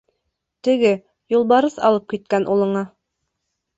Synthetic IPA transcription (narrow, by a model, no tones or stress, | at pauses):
t̪ɘ̆ɡɘ | julˠβɑɾɤθɑ̰lˠɤp̚kit̪̚kænʔulˠɤ̆ɴɑ